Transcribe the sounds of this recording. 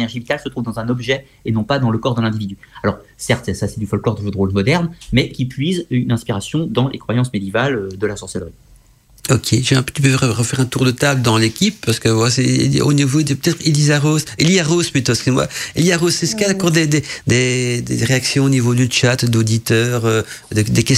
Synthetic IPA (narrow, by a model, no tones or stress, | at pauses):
nɛʁʒivit̪alsət̪χuvd̪ɑ̃zɛ̃nɔbʒɛ | enɔ̃pad̪ɑ̃ləkɔʁd̪əlɛ̃d̪ivid̪yalɔʁsɛʁt̪sasɛt̪yfɔlklɔʁd̪əvød̪ʁolmɔd̪ɛʁnmɛkʲipɥizynɛ̃spiʁasjɔ̃d̪ɑ̃lʔḛkχwajɑ̃smed̪jevalød̪əlasɔ̃ʁsɛlʁi | ɔkʰʲeʒɛ̃t̪ypøʁəʁəfɛʁɛ̃t̪uʁd̪ət̪abləd̪ɑ̃lekʲipːaʁsə̥kəvwalasɛ̰o̰nivod̪əpø̥t̪ɛt̪χelizaʁozeliaʁospet̪ɔ̃skyzemwa̰eliaʁosːɛsə̥kʲialakɔʁd̪ed̪ed̪ed̪ḛʁeaksjɔ̃onivod̪ət͡ʃat̪d̪od̪it̪œːʁød̪əd̪ekʲɛs